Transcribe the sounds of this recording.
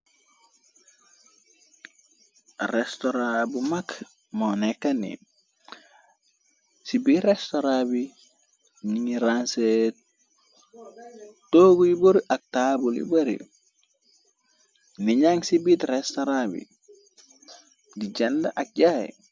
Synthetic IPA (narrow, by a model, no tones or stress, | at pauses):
restoɾabumak | monekanḭ | sibiɾestoɾabi | ɲiŋiɾanset | toɡujiboɾiʔak̚tabulḭbɐɾḭ | niɲaŋsibitrestoɾabḭ | diɟenda̰ʔak̚ɟajḭ